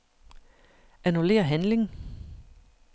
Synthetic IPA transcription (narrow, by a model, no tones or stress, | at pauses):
ænule̝̰ːɐɦænle̝ŋ